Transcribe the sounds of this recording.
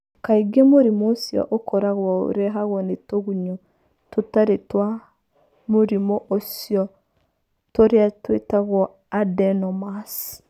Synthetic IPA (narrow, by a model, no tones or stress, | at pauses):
kaiɡemoɾimoːsjɔ̰ʔokʰɔɾaɣwɔo̰ɾeɦaɣwɔnetoɣuɲo | totaɾetwa | moɾimɔʔosjɔ | toɾeatwetaɣwɔ | adɛnɔmas